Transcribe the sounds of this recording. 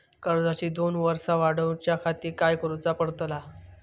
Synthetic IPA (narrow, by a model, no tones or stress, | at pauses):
kəɾd͡zat͡ɕiːd̪onʋəɾsaʋaɽəwt͡ɕjakʰat̪iːɾkajkəɾut͡sapəɽt̪la